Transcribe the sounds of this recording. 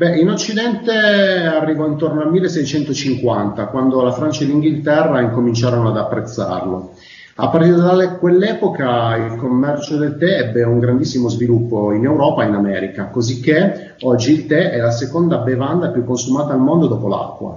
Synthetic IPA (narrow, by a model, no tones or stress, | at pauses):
bɛinot͡ʃːid̪ɛnt̪earːivɔint̪ornoalmilːesːɛjt͡ʃɛnt̪ot͡ʃiŋkwant̪akwand̪olafɾant͡ʃaeliŋɡilt̪ɛrːaiŋkomint͡ʃaːɾonoad̪apːɾet̪sːa̰rlo | a̰pːart̪iɾed̪alɛkwelːɛːpokailkomːɛrt͡ʃod̪elt̪ɛɛbːeuŋɡɾand̪isːimozvilupːoinewɾɔːpainamɛ̰ːɾikakozikːe | ɔd͡ʒːiːlt̪ɛɛlasekond̪abevand̪apjukːonsumaːt̪aːlmond̪od̪ɔːpola̰kːwa̰